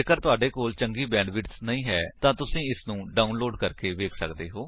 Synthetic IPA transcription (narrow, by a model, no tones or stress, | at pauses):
eːkəɾt̪ʊaːɖeːkoːlt͡ʃəŋɡiːbɛ̃ːɳɖʋɪʈsnəĩːɦɛːt̪ãːt̪ʊsĩːɪsnũːɖaːunloːɖkəɾkeːʋeːkʰsə̰kd̪eːɦoː